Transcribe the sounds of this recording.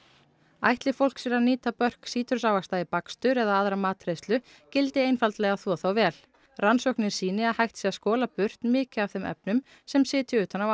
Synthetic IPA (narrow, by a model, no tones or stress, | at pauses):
a̰jht̪lɪfowl̥ksvɛɾaniːt̪apœr̥ksiːt̪ʏɾsaːwvast̪aɪpakst̪ʏɾɛðaaðɾamaːt̪ɾejst̪lʏ | cɪlt̪ɪejnfalt̪lɛɣaθɔθawvɛːl | ransɔwhknɪɾ̥siːnɪaðhajht̪siːaskɔːlapʏr̥t̪nmɪːcɪav̥θɛmʔɛ̰p̚nʏm | sɛmsɪːt̪jʏʏːt̪anaw